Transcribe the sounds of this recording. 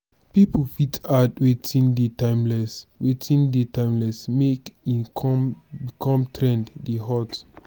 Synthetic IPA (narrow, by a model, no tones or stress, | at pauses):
pipofitadwetʰĩndetãɪmlɛswetʰĩndetãɪmlɛsmekĩ | bikʰɔ̃mtʰɹɛ̃nddeɦɔt